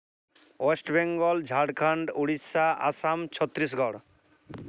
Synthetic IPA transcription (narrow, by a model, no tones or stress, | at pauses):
wesʈbɛŋɡɔld͡ʒʱaɽkʰaɳɖuɽisaa̰samt͡ɕʰɔt̪ːɾis̬ɡʱɔɽ